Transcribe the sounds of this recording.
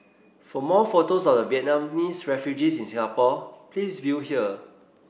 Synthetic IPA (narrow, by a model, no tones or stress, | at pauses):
fɔmɔfotosɔfdəviɛt̚nãmnisɹɛfjud͡ʒisĩnsĩŋapɔplisvjuhiə